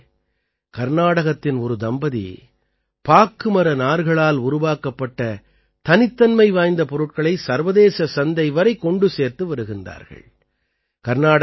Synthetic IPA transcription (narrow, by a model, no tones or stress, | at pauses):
kɐɾnaːɽɐɣɐt̪ːɪnɔɾɯd̪ɐmbɐðḭ | paːkːɯmɐɾɐnaːɾɣɐɭaːlʊɾʊʋaːkɐpːɐʈːɐ | t̪ɐnɪt̪ːɐnmɐɪʋaːjnd̪ɐpɔɾɯʈ̚kɐɭɐɪsɐɾʋɐðeːsɐsɐnd̪ɐɪʋɐɾɐɪkːɔɳɖɯseːɾt̪ɯʋɐɾɯɣɪndra̰ːɾɣɐ̰ɭ | kɐɾnaːɽ